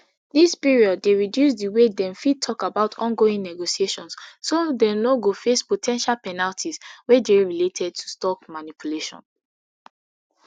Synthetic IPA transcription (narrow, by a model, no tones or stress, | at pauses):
dispiɹiɔd̚ːeɹidjusdiwedɛ̃mfid̚tʰɔkabaʊtʰɔ̃nɡoĩŋnɛɡosieʃɔ̃nssodɛnoɡofespotʰɛ̃nʃalpɛnaltʰiswɛdeɹiletʰɛd̚tʰu̥stɔkmanipʰuleʃɔ̰̃n